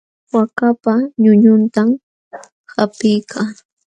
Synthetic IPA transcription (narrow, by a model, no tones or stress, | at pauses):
wakapaɲʊɲʊnt̪am | hapɪjkʰa